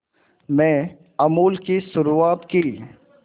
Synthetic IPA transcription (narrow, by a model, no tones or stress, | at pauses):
mɛ̃ː | ɐmuːlkisʊɾuaːt̪ki